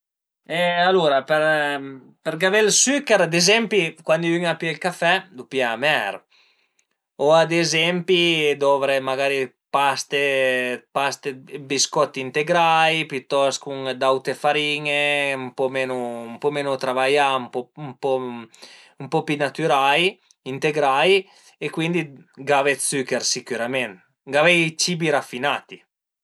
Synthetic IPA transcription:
ɛaluɾapeɾ | peɾɡavelsykɛɾad̪ezɛmpikwand̪iyŋapiilkafɛd̪upiamɛɾ | oad̪ezɛmpid̪ɔvɾemaɡaːɾi | past̪epast̪ebiskɔt̪ːint̪eɡɾajpjyt̪ːɔskuŋd̪awt̪efaɾiːŋeumpɔmeːnoumpɔmeːnut̪ɾavajampɔmpɔ | umpɔpinat̪yɾaj | int̪eɡɾaj | ekwind̪iɡavet̪sykeɾsikuɾamɛn | ɡavɛjt͡ʃiːbiɾafːinaːt̪i

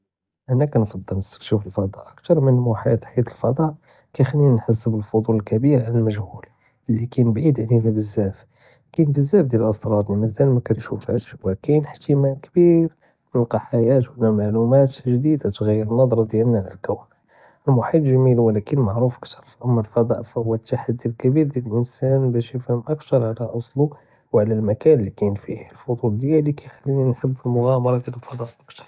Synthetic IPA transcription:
ʔænːækænfɑd̪ˤːəlnəsə̥k̚t̪ʃufəlfɑd̪ˤɑ̰ʔək̚t̪ɑɾˤmənmoħit̪ħjæt̪əlfɑd̪ˤɑʔ | kæjxninħəsːəbəlfod̪ˤuləlkæbiɾʕaləlməʒhul | ʔəlːikænəbʕid̪ʕlimæbəzːæf | kænbəzːæfd̪jæləlʔəsˤt̪ɾˤɑt̪niməzælmækænʃufæʃwækænəħt̪imæmkbiɾ | mənəlqɑħajæt̪wənæmaʕlumæt̪ʒd̪id̪at̪ɣæjːəɾənːɑd̪ˤɾˤɑd̪jælnæʕlæ̰lkæw | əlmʊħit̪ˤʒæmilwəlækənmaʕɾufʔəkt̪ʰɑɾˤʔæmːælfɑd̪ˤɑ̰ʔfæwːæt̪ːaħad̪ːilkæbiɾd̪jæləlʔənsænbæʃəfhəmʔækt̪ɑɾˤʕlæʔɑsˤlu | wʕlælmækænlːikæjnfihlfʊd̪ˤuld̪jælikæjxælːininħəbːəlmʊɣæmɑɾˤɑd̪jæləlfɑd̪ˤɑʔʔəkt̪ɑ̥ɾˤ

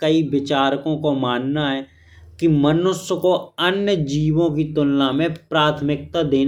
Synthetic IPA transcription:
kəiʋɪt͡ʃaːɾkõkomaːnnaɦɛː | kimənʊsjəkoənjəd͡ʒiːʋõkit̪ʊlnãmẽpɾaːt̪ʰmɪk̚t̪ad̪eː

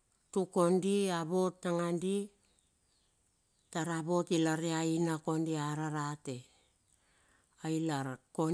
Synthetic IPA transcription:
tuko̞ndiaβo̞tːaŋandi | taɾabo̞tilaɾeainako̞ndiaɾaɾate | ailaɾko

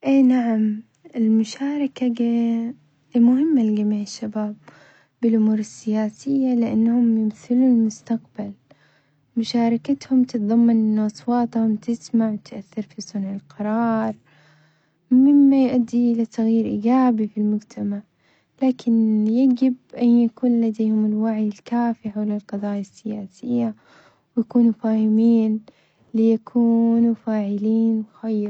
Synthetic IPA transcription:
ʔeːnaʕam | ɪlmʊʃaːɾˤɑkaɡa | mʊɦɪmːalɡamiːʕɪʃːabaːb̚ː | ɪlʔʊmuːɾɪsːɪjaːsɪjːalɪʔa̰nːhʊmjɪmθɪluːlmʊst̪aqbal | mʊʃaːɾˤɑkat̪hʊmt̪ɨt̪ðˤɑmːɑnʔɪnːʊʔɑsˤwɑːt̪ˤhʊmt̪ʰɪsmaʕwɪt̪ʔaθːɪɾfisˤʊnʕɪlqɑɾˤɑːɾˤ | mɪmːajʔad̪ːiʔɪlat̪ʰaɣjiːɾʔɪɡaːbifilmʊɡt̪ʰamaʕ | laːkʰɪnjaɡɪb̚ʔanjakuːnlad̪ejhʊmɪlwaʕjɪlkaːfiħawlɪlqɑðˤɑːjasːɪjaːsɪjːa | wjakuːnufaːhɪmiːn | lɪjakʰuːnufaːʕɪliːnwxajː

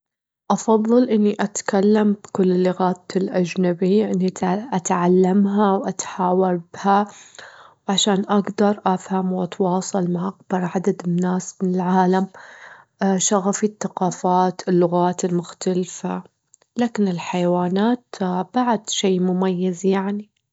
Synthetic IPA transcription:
ʔɑfɑðˤːɨlʔɪnːiʔat̪kalːambkʊlːɪlːɪɣaːt̪ɪlʔad͡ʒnabiʔɪnːiʔat̪ʕalːamɦawʔat̪ħaːwɑɾbɪha | wʕaʃaːnʔaɡd̪ɑɾˤʔafhamwʔɑt̪wɑːsˤɑlmaʕʔaɡ̚bɑɾˤʕad̪ad̪ɪnːaːsmɪnɪlʕaːlam | ʃaɣafiθːaqɑːfaːt̪ɪlːʊɣaːt̪ɪlmʊxt̪alfa | laːkɪnɪlħajawaːnaːt̪b̥aʕd̪̥ʃeːmʊmajːazjaʕni

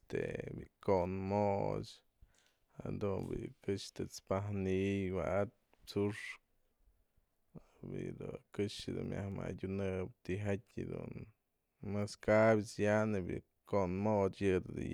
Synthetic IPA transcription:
t̪ḛbikonmot͡ʃ | had̪unbikɨʂt̪ɨt͡spahnijwaʔat̪̚ | t͡suʂk̚ | bḭd̪ukɨʂɨd̪unmʲja̰hma̰dʲunɨbt̪iɦatʲed̪ṵn | mɨskabʲit͡sjanɨbḭ | konmot͡ʃjɨd̪ɨd̪ɨ

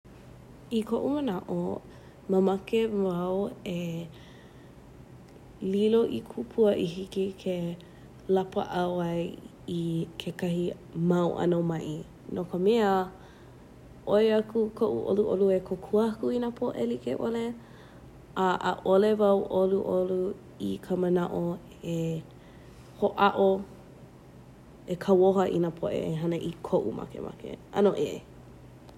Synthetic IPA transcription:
ikʰoʔumənaʔo | məmɐkevawe | liloʔikʰupʰuəʔiɦikikʰe | lapə̰ʔawɐj | ikʰekɐɦi | mɐwʔɐ̰nomɐʔi | nokəmeə | ʔojakukʰoʔṵʔo̰luʔo̰luekʰokʰuɐkuinapʰoʔḛlikeʔole | aʔə̰ʔolevɐwʔoluʔolu | ikʰəmɐnaʔo | e | hoʔɐʔo | ekʰɐwoɦɐʔḭnapʰoʔḛeɦɐnɐʔikʰoʔumɐ̰kḛmʔɐ̰kḛɐ̰noʔeʔ

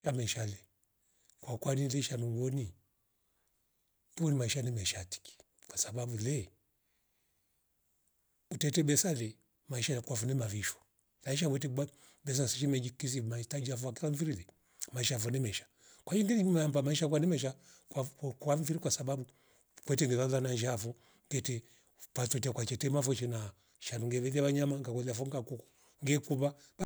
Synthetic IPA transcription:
jamaiʃalɛ | kwakwanilɛʃanuɡɔni | unimaiʃanimɛʃati̥ki̥ | kwasabaɓulɛ | utɛtɛɓɛsalɛ | maiʃakwavunɛmaviʃɔ̥ | laiʃ̬awɛt̬ia | ɓɛs̬asiʃimɛd͡ʒikis̬imaitad͡ʒiavuakilaɱ̩viɾilɛ | maiʃafɔnimɛʃḁ | kwad͡ʒiŋɡɛniimaambamaiʃak̬wanimɛʃ̬a | kakaɱfiɾikwasababu | kwɛtɛŋɡɛlalanad͡ʒafu | ŋɡɛtɛ | pat͡sɔtiakwat͡ʃɛtɛmafɔt͡ʃɛna | ʃanuŋɡɛβɛlaβaɲamaŋɡakɔlafuŋɡakuk | ŋɡɛkuβab

